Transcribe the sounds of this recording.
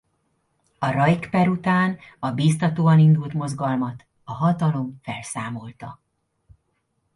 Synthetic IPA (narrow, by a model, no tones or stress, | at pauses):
ɒɾɒjkpɛɾut̪aːnɒbiːst̪ɒt̪oːɒnind̪ult̪mo̞zɡɒlmɒt̪ | ɒɦɒt̪ɒlo̞mfɛlsaːmo̞lt̪ɒ